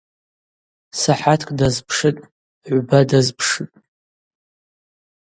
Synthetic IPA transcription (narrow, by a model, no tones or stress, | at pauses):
saħatʰkʼdazpʰʂɨtʼ | ʕʷbadazpʰʂɨtʼ